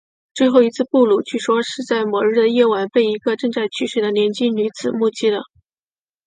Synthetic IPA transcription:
t͡swe˥˧ɪxo˥˩ʊi˧˥t͡sʰɹ̩˥˧pu˥˩lu˨˩t͡ɕʰy˥˩ʂwɔ˥ʂɻ̩˥˧t͡sa˥˩ɪmwɔ˨˥ɻ̩˥˩d̪ə˩jɛ˥˩wa˧˩npe˥˩ɪi˧˥ɡə˧ʈ͡ʂɤ˥˧ŋt͡sa˥˩ɪt͡ɕʰy˥ʂwe˥˩ɪd̪ə˦njɛ˧˥nt͡ɕi˥ny˧˥t͡sɹ̩˨˩mu˥˩t͡ɕi˥d̪ə˨

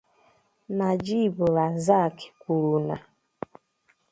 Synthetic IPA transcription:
na˨d͡ʒi˦˨bʊ˨ɾa˨za˦˨kɪ̥˨kʷu˨ɾu˨na˨

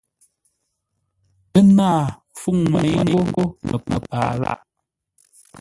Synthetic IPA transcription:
ə˦naː˦˨ | fu˦˨ŋmə˨ɲ˦ŋ˦ŋ˦ɡo˦mə˨mə̰˨paː˨la̰˦˨ʔ

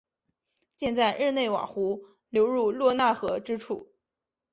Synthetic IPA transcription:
t͡ɕjɛ˥˧nt͡sa˥˧ɪɻɻ̩˥˧ne˥˩ɪwa̰˨˩xu˧˥ | ljo˧˥ʊɻu˥˧lwɔ˥˧na˥˩xɤ˧˥ʈ͡ʂɻ̩˥ʈ͡ʂʰu˥˩

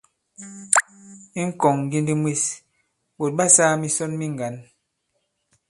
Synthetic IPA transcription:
i˦ŋ̩˦kɔ˨ŋɡi˦ndi˦mwi˦˨s | ɓo˨t̚ɓa˦saː˦mi˦sɔ˦nmi˦ŋ˨ɡa˨˦n

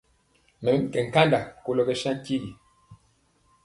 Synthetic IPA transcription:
mɛ˨kɛ˨ŋ̩˨ka˦nda˨ko˦lɔ˦˨kɛ˦ʃa˦ŋ˦ki˦ɡi˨

